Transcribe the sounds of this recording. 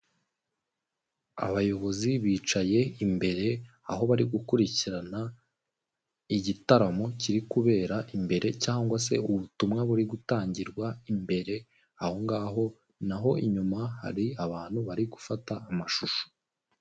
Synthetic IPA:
a̰βajo̞βo̞ziβiːt͡ʃaje̞imbe̞ɾe̞a̰ɦo̞βaɾiɡukuɾiciɾana | iɟitaɾamo̞ciɾikuβe̞ːɾaʔimbe̞ɾe̞caːŋɡwas̬e̞uβutumŋaβuɾiɡutaːɲɟiɾɡwaimbe̞ɾe̞ | aho̞ŋɡaːɦo̞ | naɦo̞iɲumaha̰ɾiaβaːn̥huβaɾiɡufataːmaʃuʃo̥

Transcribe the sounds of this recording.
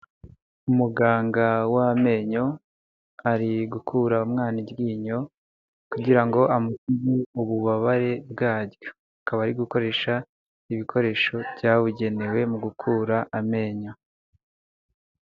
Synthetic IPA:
umuɡaːŋɡawame̞ɲo̞ | aɾiɡukʰuɾaumŋaːnibɡiːɲo̞ | kuɟiɾaŋɡo̞ʔamusizeuβuβaβaɾe̞b̚ɡaːɾɟo | akaβaːɾiɡuko̞ɾe̞ːʃa | iβikʰo̞ɾe̞ːʃo̞bjaːβuɟe̞ne̞we̞muɡukʰuːɾaʔame̞ːɲo̞

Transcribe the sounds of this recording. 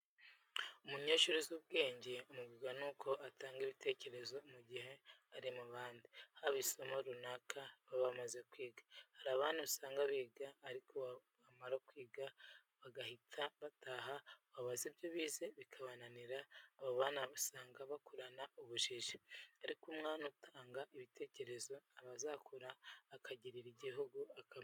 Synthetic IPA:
omuɲeʃoɾezuβ̚ɡe̞ːɲɟeomuɡiɡanukʰo̞ʔatʰaːŋɡeβitʰe̞ːce̞ɾe̞zo̞muɟihe̞aɾimuβaːndihaβiso̞mo̞ɾunakʰaβaβamaze̞kwiːɡḁhaɾaːβaːniβusaːŋɡaβiːɡaːɾikʰo̞ | βamaɾakwiːɡa | βaɡahitʰaβatʰaɦaβaβazibjoβiːzeβikʰaβananiɾaːβoβaːnaβusaːŋɡaβakoɾanauβuʃiʒiaɾikumŋaːnutʰaːŋɡaʔiβitʰe̞ːce̞ɾe̞zo̞aβazakʰoɾaːkʰaɟiɾiɾiɟiɦuɡuaka

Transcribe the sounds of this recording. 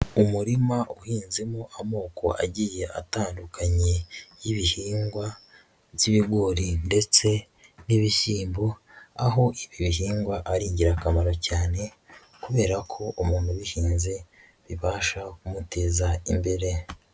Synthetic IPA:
umuɾimaʔuhiːnzemuʔamo̞ːko̞̰a̰ɟiːje̞ʔa̰taːndukaɲe̞jiβihiːŋɡwa | ziβiɡoːɾinde̞t͡se̞ | niβiʃiːmbo̞aɦo̞ʔiβiβihiːŋɡwaʔaɾiːɲɟiɾakamaɾo̞caːne̞ | kuβe̞ːɾakʰo̞ʔumuːnhuβihiːnze̞ | βiβaːʃakumute̞ːzaimbe̞ɾe̞

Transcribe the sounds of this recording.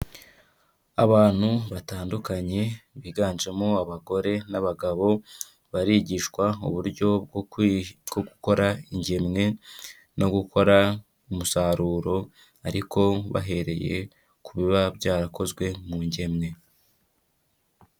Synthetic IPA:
aβaːn̥huβataːndukaɲe̞βiɡaːnʒe̞moaβaɡo̞ɾe̞naβaɡaβo̞ | βaɾiːɟiːʃwaṵβuɾɟo̞bɡ | ɡ̥oɡuko̞ɾaiɲɟe̞mŋe̞ | no̞ɡuko̞ɾa | umusaɾuːɾo̞ | aɾikʰo̞βa̰ɦe̞ɾe̞je̞̰ | kuβiβabɟaːɾako̞zɡwe̞muɲɟe̞mŋe̞

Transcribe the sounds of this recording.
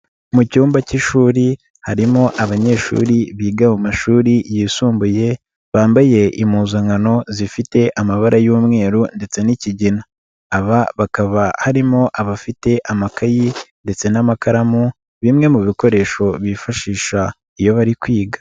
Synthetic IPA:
mucuːmbaciʃuːɾi | haɾimo̞ʔaβaɲe̞ːʃṵːɾiβiːɡamumaʃuːɾijiːsuːmbuje̞ | βaːmbaje̞ʔimuːzaŋano̞zifite̞ʔamaβaɾʔajuːmŋe̞ːɾunde̞t͡se̞niciɟinaː | βaβakaβahaɾimo̞ʔaβafite̞ʔamakajinde̞t͡se̞namakaɾamu | βimŋe̞muβiko̞ɾe̞ʃo̞βifaʃiːʃa | ijo̞βaɾikwiːɡḁ

